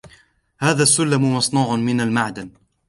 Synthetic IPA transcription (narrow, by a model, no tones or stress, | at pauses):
haːðaːsːʊlːamʊmɑsˤnuːʕʊnmɪnalmaʕd̪an